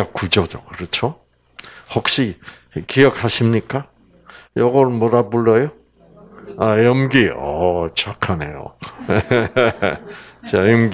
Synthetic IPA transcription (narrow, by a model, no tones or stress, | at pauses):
ak͈ud͡ʑʌd͡ʑʌkɯɾɯt͡ɕʰo | hʌk̚ɕ͈i | kijʌkʰaɕʰimɲik͈a | jʌɡʌmʌɾabuɭːʌjo | ajʌmɡiʌt͡ɕakʰanejo̰ | t͡ɕajʌmɡ